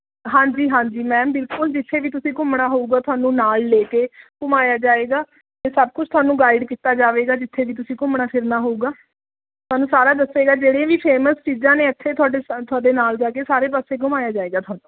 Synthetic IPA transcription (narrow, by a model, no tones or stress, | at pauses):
ɦãːd͡ʒiːɦãːɲd͡ʒiːmɛ̃ːmbɪlkʊld͡ʒɪt̪ʰːeːʋiːt̪̬ʊsĩːkʊmɽaːɦouːɡaːt̪ʰʊaːnũːnaːlleːkeːɡ̥ʊmaːjaːd͡ʒaːeːɡaː | t̪eːsəb̚kʊt͡ʃʰt̪ʰʊwaːnũːɡaːɪɖkiːt̪aːd͡ʒaːʋeːɡaːd͡ʒɪt̪ʰːeːʋiːt̪̬ʊsĩːkʊmɽaːpʰɪɾnaːɦouːɡaː | t̪ʰʊaːnũːsaːɾaːd̪əseːɡaːd͡ʒeːɽẽãːʋiːpʰeːməst͡ʃiːzãːnẽːət̪ʰːeːt̪ʰʊaːɖet̪ʰʊaːɖeːnaːld͡ʒaːkeːsaːɾeːp̬aːseːɡʊmaːjaːd͡ʒaːeːɡaːt̪ʰʊaːñũː